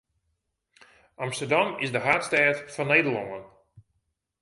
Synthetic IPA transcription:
ʔɑmstədɑmɪsdəɦaːtstɛːtfɔnːejdəlˠoŋən

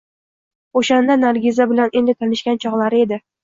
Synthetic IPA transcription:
oʃand̪anaɾɡʲɪzabɪlane̞nd̪ɪt̪ʰanɪʃkʲant͡ʃʰɒʁlˠaɾɪe̞d̪ɪ

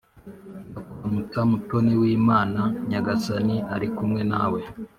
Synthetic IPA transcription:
akoɾamut͡ʃamuto̞newiːmaːnaɲaɡasaniaɾikumŋe̞na̰ːwe̞

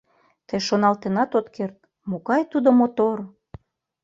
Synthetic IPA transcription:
t̪əjʃonɑlt̪enɑt̪ot̪kert̪̚ | mokɑjt̪ud̪omot̪or

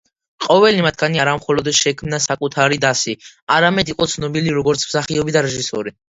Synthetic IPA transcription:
qʼɔvɛlimat̪ʰɡ̥aniaɾamχɔlɔd̪ʃɛkʰmnasakʼut̪ʰaɾid̪asiaɾamɛd̪iqʼɔt̪sʰnɔbiliɾɔɡɔɾt̪sʰmsaχiɔbid̪aɾɛʒisɔɾi

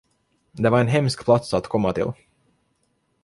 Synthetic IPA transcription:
d̪ɛvaɾɛnɦɛmskpʰlat̪sat̪kʰɔmːat̪ʰɪ̰l

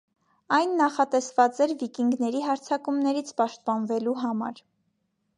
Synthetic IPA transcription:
ɑjnːɑχɑt̪ɛsvɑt͡sɛɾvikiŋɡnɛɾiɦɑɾt͡sʰɑkumnɛɾit͡sʰpɑʃt̪̚pɑnvɛluɦɑmɑ̰ɾ

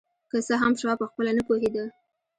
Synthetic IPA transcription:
kəsəɦamʃɑpəxpəlanəpoɦed̪ə

